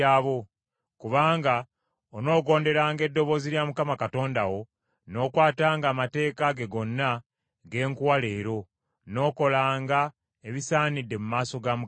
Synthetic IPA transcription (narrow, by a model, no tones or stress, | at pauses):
aːβo̞ | kuβaːŋɡa | ono̞ːɡo̞ːnde̞ɾaːŋɡe̞dːo̞βo̞ːziljamukamakato̞ːndawo̞ | no̞ːkwaːtaːŋɡaːmate̞ːkaɡe̞ɡo̞nːa | ɡe̞ːŋkuwale̞ːɾo̞ | no̞ːko̞laːŋɡa | eβisaːnidːe̞mumaːso̞ɡamu